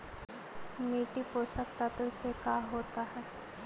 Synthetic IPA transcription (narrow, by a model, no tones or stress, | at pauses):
miːʈipoːsəkt̪at̪ʊɾɪsekaːɦoːt̪aɦɛː